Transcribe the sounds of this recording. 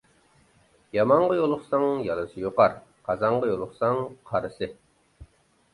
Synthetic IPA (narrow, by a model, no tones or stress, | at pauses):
jɑmɑɴʁɑjolˠʊχsɑŋjɑlˠɨsɨjoqɑɾqʰɑzɑɴʁɑjolˠʊχsɑŋqʰɑɾɨsɨ